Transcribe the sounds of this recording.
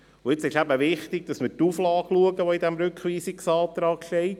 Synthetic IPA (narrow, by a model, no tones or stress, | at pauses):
ʊɪt͡sɪʃæbəʋɪχtɪɡ̚d̥ɑsmɪɾtuflɑːɡluəɡəʋɔidɛmɾʏkχʋiːsɪksɑːt̪ɾɑːkʃtɛɪt